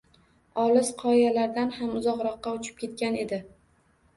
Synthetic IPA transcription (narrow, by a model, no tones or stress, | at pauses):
ɒlɪsqʰɒjjalaɾd̪anhamʊzɒqɾɒqːɑʊt͡ʃʰɪ̥p̚kʲe̞t̪̚kʲane̞d̪ɪ